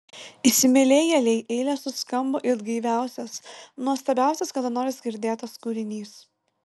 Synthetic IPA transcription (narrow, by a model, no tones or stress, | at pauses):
isʲɪmʲɛlʲɛjɛlʲɛɪʔɛɪlʲɛsʊskɐmboʔɪd̪ɡɐɪʋʲæˑʊsʲɛsnuɔst̪ɐbʲæˑʊsʲɛskɐd̪ɐnoːɾʲɪsɡʲɪɾʲd̪ʲeːt̪ɐskʊɾʲɪnʲiːs